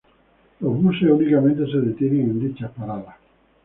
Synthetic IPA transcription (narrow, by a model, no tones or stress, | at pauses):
ozβuseunikament̪eseðet̪jeneŋend̪it͡ʃapaɾala